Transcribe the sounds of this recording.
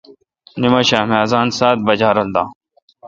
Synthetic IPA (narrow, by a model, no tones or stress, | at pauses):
nimɐɕaːmaːzaːnsaːt̪̚bɐd͡ʑaːɾɐld̪aː